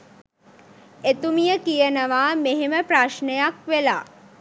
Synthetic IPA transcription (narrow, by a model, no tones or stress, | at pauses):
et̪umijəkijənəʋaːmeɦeməpɾaʃnejakʋelaː